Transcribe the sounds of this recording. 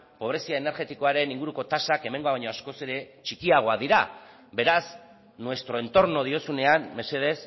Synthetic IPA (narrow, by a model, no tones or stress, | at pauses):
po̞βɾe̞siaene̞ɾɣe̞t̪iko̞aɾe̞niŋɡuɾuko̞t̪asake̞me̞ŋɡo̞aβaɲo̞asko̞seɾe̞t͡ʃikiaɣ̞o̞aðiɾa | be̞ɾas | nwe̞st̪ɾo̞e̞nt̪o̞ɾno̞ð̞io̞sune̞anme̞se̞ð̞e̞s